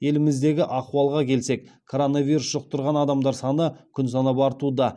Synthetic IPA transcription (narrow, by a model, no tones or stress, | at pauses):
je̞lɪmɪzd̪e̞ɡʲɪʔɑquɑlˠʁɑkʲʰe̞lse̞kkʰo̞ɾo̞navʲijɾusʒ̥oq̚t̪ʰʊɾʁɑnɑd̪ɑmd̪ɑɾsɑnəkʲʰʏns̬ɑnɑpɑɾt̪ud̪ɑ